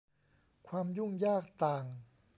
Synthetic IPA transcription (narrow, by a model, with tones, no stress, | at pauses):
kʰwaː˧mju˥˩ŋjaː˥˩k̚t̪aː˨˩ŋ